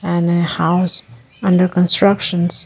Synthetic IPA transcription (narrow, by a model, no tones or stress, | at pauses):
ɨ̃nɨhaʊs | ʌ̃ndə˞kɔ̃nstɹʌkʃə̃ns